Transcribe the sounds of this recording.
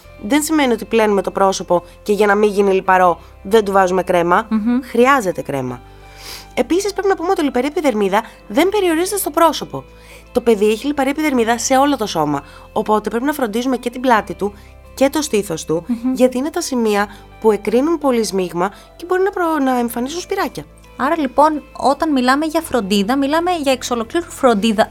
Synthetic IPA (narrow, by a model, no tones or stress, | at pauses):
ðe̞nsime̞nio̞t̪iple̞nume̞t̪o̞pɾo̞so̞po̞ | ce̞ʝɐnɐmiʝinilipɐɾo̞ | ðe̞nd̪uvɐzume̞kɾe̞mɐxɾiɐze̞t̪e̞kɾe̞̰mɐ̰ | e̞pisispɾe̞pinɐpumeo̞t̪ilipɐɾiɐepiðe̞ɾmiðɐ | ðe̞mbe̞ɾio̞ɾizet̪est̪o̞pɾo̞so̞po̞ | t̪o̞pe̞ðieçilipɐɾiɐepiðeɾmiðɐse̞o̞lo̞t̪o̞so̞mɐ | o̞po̞t̪e̞pɾe̞pinɐfɾo̞nd̪izume̞ce̞t̪iblɐt̪it̪u | ce̞t̪o̞st̪iθo̞st̪uʝɐt̪iinet̪ɐsimiɐ | pue̞kɾinunpo̞lizmiɣmɐ | ce̞bo̞ɾinɐpnɐeɱfɐnisunspiɾɐcɐ | ɐɾɐlipo̞no̞̰t̪ɐnmilɐmeʝɐfɾo̞nd̪iðɐmilɐme̞ʝɐeksolo̞kliɾufɾo̞nd̪iðɐ